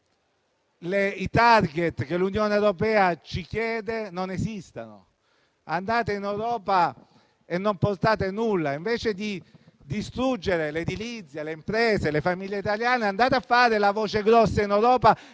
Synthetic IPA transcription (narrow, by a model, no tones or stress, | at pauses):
leit̪arɡet̪k̟elunjoːneewɾopɛːat͡ʃikjɛːd̪enonesist̪ano̰ | and̪aːt̪einewɾɔːpa | enːomport̪aːt̪enulːaiɱveːt͡ʃed̪i | d̪ist̪ɾud͡ʒːeɾeled̪ilit̪sːjeleimpɾeːselefamiʎːeit̪aljaːneand̪aːt̪eafːaːɾelavoːt͡ʃeɡɾɔsːainewɾɔːpa